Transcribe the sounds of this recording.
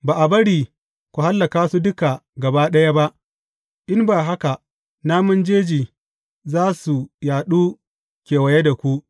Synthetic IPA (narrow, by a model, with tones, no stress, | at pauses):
baː˨ʔa˨bɐ˦ɽiː˨ | kʷu˨ha˦lːɐ˨kaː˦su˦dʊ˦ka˨ɡɐ˨baː˦ɗɐ˦ja˦ba˦ʔ | ʔɪ˦mbaː˨ɦa˦ka˨ʔ | naː˦mʊ˦nd͡ʒeː˦d͡ʒiː˨ | zaː˦su˨jaː˨ɗuː˦ | kʲeː˨wɐ˨je˦da˨kʷu˦ʔ